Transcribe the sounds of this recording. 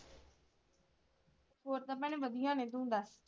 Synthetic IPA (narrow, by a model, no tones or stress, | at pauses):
hoːɾt̪ɐpə̃ɽ̃ʋɐd̪ʱijãːnẽːd̪ũːnd̪aːs